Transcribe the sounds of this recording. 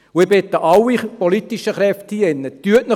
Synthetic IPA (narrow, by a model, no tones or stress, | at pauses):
ʊɪb̥et̪ːəʔɑwːipɔlit̪iʃəχɾɛftiɛnːət̪yətnə